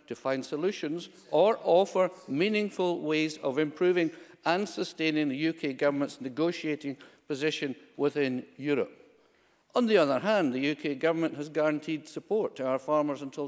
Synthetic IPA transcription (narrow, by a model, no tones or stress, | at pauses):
tʰəfãɪ̃nd̥səlˠʉʃə̃nz | ə˞ʔɔfə˞mĩnɪ̃ŋfəlˠwezəvɪ̃mpʰɹ̥ʉvɪ̃ŋə̃nsəstẽnɪ̃ŋðɨjʉkʰeɡʌvə˞mə̃ntsnɨɡoʃieʔɪ̃ŋpʰəzɪʃə̃nwɪθɪ̃njʉɹə̰p̚ | ʔə̃nðiʌðə˞ɦãnðɨjʉkʰeɡʌvə˞mə̃nʔəzɡaɹə̃ntʰid̥səpʰɔɹtʰəaʊə˞fɑɹmə˞zə̃ntʰɪ